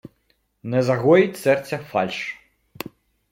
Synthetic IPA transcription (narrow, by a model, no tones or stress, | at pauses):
nɛzaɣɔjit͡sʲsɛrt̪sʲɐfa̰lʲʂ